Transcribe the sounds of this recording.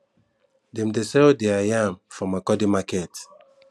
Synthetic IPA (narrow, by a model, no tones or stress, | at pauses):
dẽmdesɛldeajãmfɹɔ̃makɔdimakɛt